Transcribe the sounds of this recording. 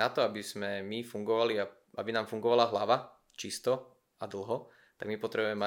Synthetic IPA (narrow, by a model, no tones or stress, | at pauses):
nat̪ɔabizmɛmifuŋɡɔʋalia | a̰binaːmfuŋɡɔʋalaɦlaʋa | t͡ʃist̪ɔ | ad̪l̩ˠɦɔ | t̪aɡmipɔt̪ɾɛbuɛmɛ